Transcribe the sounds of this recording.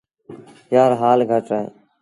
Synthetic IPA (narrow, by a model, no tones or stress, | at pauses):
jaːɾɦaːlɡʱəʈɾaɦḛː